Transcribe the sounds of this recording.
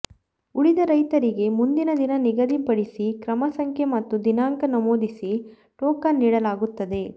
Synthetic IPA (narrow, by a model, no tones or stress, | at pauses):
uɭid̪ɐɾɐjt̪ɐɾiɡe̞mund̪inɐd̪inɐniɡɐd̪ipɐɽisikɾɐmɐsɐŋkʰjemɐt̪ːud̪inaːŋkɐnɐmoːd̪isi | ʈɔːkɐnːiːɽɐlaːɡut̪ːɐd̪e̞